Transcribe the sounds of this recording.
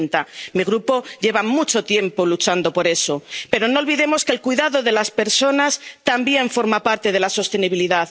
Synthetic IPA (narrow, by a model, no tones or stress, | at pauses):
nt̪amiɣɾupo̞ɟ͡ʝe̞βamut͡ʃo̞t̪je̞mpo̞lut͡ʃand̪o̞po̞ɾe̞so̞pe̞ɾo̞no̞ːlβiðe̞mo̞ske̞lkwiðaðo̞ðe̞laspe̞ɾso̞nast̪ambje̞ɱfo̞ɾmapaɾt̪e̞ð̞e̞laso̞st̪eniβiliðað